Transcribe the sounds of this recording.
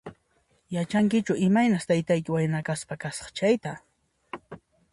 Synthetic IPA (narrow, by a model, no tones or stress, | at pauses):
jat͡ʃaŋkɪt͡ʃʊɪmajnaχt̪ajt̪ajkɪwajnakaspakasqɑt͡ʃajt̪a